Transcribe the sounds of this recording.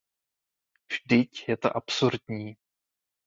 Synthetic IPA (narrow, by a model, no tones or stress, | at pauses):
vʒdɪcjɛt̪o̰ʔapsuɾdɲiː